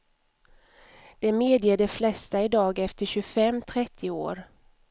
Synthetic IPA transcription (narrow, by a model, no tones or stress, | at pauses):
d̪̥ɛmeːd̪jeɖɛflɛst̪aɪd̪ɑːɡɛft̪əɕɵfɛmːt̪ʰɾɛt̪ʰːɪo̰ːɾ